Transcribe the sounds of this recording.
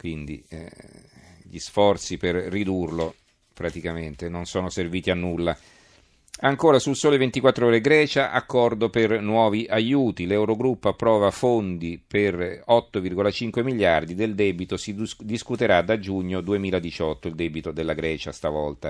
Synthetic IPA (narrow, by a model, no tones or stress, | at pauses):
kwind̪ḭ | ʎisfɔrt̪siperrːid̪urlo | pɾat̪ikament̪enonsoːnoserviːt̪ianːulːa | aŋkoːɾasulsoːlevent̪ikwat̪ːɾooːɾeɡɾɛːt͡ʃaʔa̰kːɔrd̪opernwɔːviʔajuːt̪ilɛwɾoɡɾupːoapːɾɔːvafond̪iperɔt̪ːovirɡolat͡ʃiŋkwemiʎːard̪id̪eld̪ɛːbit̪osid̪iskut̪eɾad̪ad͡ʒuɲːod̪uemiːlad̪it͡ʃɔt̪ːoild̪ɛːbit̪od̪elːaɡɾɛːt͡ʃast̪avɔlt̪a